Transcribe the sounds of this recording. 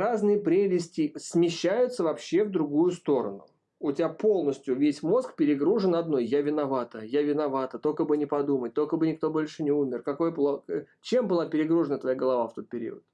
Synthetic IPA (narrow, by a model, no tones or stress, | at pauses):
ɾaznɨjəpɾʲelʲɪsʲtʲɪsʲmʲɪɕːæjʊt̪səvɐpɕːe̞vd̪ɾʊɡujʊst̪o̞ɾə̰nʊ̰ | ʊtʲɪapo̞lˠnəsʲtʲjʊvʲesʲmo̞skpʲɪɾʲɪɡɾuʐɨnɐd̪no̞jjavʲɪnɐvat̪əjavʲɪnɐvat̪ət̪o̞kəbɨnʲɪpɐd̪umət̚ʲt̪olʲkəbɨnʲɪk̚t̪o̞bo̞lʲʂɨnʲɪumʲɪrkɐko̞jəplˠo | t͡ɕe̞mbɨlˠapʲɪɾʲɪɡɾuʐɨnət̪vɐjaɡəlˠɐvaft̪o̞t̪̚pʲɪɾʲḭʊə̰t̪̚